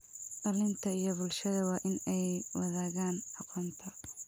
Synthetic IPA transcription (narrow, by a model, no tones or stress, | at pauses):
ɖɐlɪnt̪ʰɐijɞbʊlʃɐðɐwɑːʔɪnɛjwɑðaːɣaːnʔɑqʰɔːnt̪ʰɐ